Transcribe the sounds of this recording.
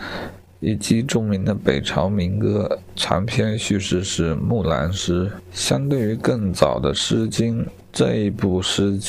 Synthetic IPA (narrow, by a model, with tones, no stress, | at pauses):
i˨˩t͡ɕi˧˥ʈ͡ʂʊ˥˩ŋmi˧˥ŋd̪ə˧pe˨˩ɪʈ͡ʂʰɑ˧˥ʊmi˧˥ŋkɤ˥ | ʈ͡ʂʰa̰˧˥ŋpʰjɛ˥˧nɕy˥˧ʂɻ̩˥˧ʂɻ̩˥˧mu˥˩la̰˧˥nʂɻ̩˥ɕjɑ˥ŋt̪we˥˩y˧˥kɤ˥˩ŋt͡sɑ˨˩ʊd̪ə̰˦ʂɻ̩˥t͡ɕi˥n | ʈ͡ʂɤ˥˧i˧˥pu˥˩ʂɻ̩˥